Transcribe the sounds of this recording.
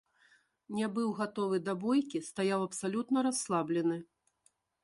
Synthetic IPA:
nʲɛbɨwɣat̪ɔvɨd̪ɐbɔjkʲist̪ajawɐpsalʲut̪nɐɾasːlˠablʲɛnɨ

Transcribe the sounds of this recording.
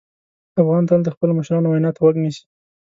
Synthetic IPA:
afɣɑnt̪ɑld̪əxpəloməʃɾɑnowajnɑt̪awəɡnisi̥

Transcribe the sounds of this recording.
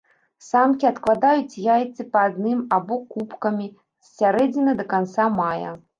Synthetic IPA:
samkʲiat̪klˠad̪ajut͡sʲjajt̪sɨpɐːd̪nɨmabɔkupkɐmʲi | sʲːaɾɛd͡zʲinɐd̪ɐkant̪samajɐ̰

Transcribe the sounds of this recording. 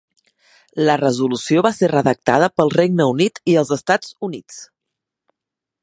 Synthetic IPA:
lərəzulusioβaserəðək̚t̪a̰ð̞əpəlˠreɡ̚nəunit̪iəlˠzəst̪ad͡zunit͡s

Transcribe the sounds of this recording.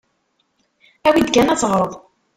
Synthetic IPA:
æwid̪kːænæt͡sːʁɾˤəðˤ

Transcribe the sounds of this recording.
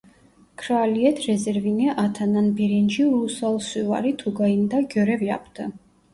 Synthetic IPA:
kʰɾaːliɛt̪ʰɾɛzɛɾvinɛʔat̪ʰananbiɾɛnd͡ʒiɾusalˠswiva̰ɾit̪ʰuɡaind̪aɡɔɾɛvja̰p̚ʰd̪a

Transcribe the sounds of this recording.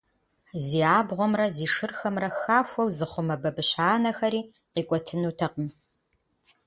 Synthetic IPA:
ziːaːbʁʷɔmrɐziːʂɨrxɐmrɐxaːfʷɐwzɨχʷʊmɐbɐbɨɕaːnɐxɐɾiː | qiːkʷʼɔtʰɨnuːtʰɐqəm

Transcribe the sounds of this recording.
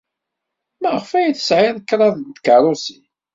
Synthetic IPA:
məʁfæjθə̥sʕɪðəkːɾˤɑðd̪kəɾˤʊsi

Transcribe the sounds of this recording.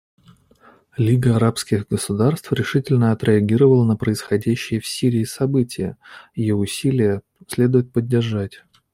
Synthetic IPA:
lʲiɡəɐɾapskʲɪɣɡəsʊd̪arst̪fɾʲɪʂɨtʲɪlʲnəɐt̪ɾʲɪɐɡʲiɾəvəlˠənəpɾəɪsxɐdʲæɕːɪjəfsʲiɾʲɪːsɐbɨtʲʰɪjə̰ɪjoʊsʲilʲɪjə | sʲlʲe̞d̪ʊjɪt̪̚pədʲːɪrʐatʲ

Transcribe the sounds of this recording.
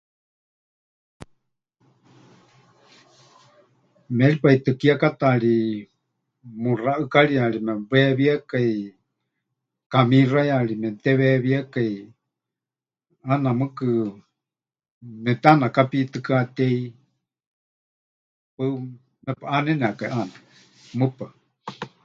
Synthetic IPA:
mɛɺipait̪ɨkiakat̪aɺi | muraʔɨkaɺiaɺimɛβɛβiekai | kamĩrajaɺimɛnt̪ɛβɛβiekai | anamɨkɨ | mɛt̪anakapit̪ɨkat̪ɛi | pɨ | mɛpaʔanɛnɛakaiʔana | mɨpa

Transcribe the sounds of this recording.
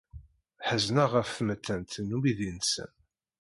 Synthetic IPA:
ħəznəʁəfmət̪ənt̪ənumiðinsə̰n

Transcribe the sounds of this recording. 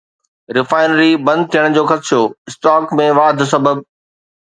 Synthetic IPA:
ɾɪfaːɪnɾibɐ̃nd̪̚t̪ʰijəɽ̃d͡ʑoːxɐt̪ʃjoːɪsʈaːkmẽʋaːd̪ʱʊs̬ɐbəb̚

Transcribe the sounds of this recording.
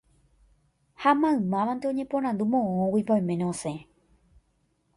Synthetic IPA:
hamãɨ̃mãʋãnd̪eõ̞ɲẽ̞põ̞ɾ̃ãnd̪umõʔõwipaemẽ̞nõsẽ

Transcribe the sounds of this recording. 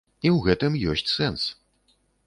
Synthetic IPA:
iwɣɛt̪ɨmjɔsʲt͡sʲsɛns

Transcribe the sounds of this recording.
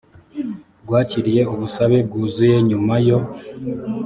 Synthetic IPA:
ɡwaːciɾije̞uβusaβe̞bɡuːzuje̞ɲumajo̞

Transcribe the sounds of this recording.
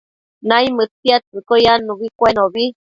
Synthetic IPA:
najmɨt̪iat͡sɨkojanũβikʷenoβi

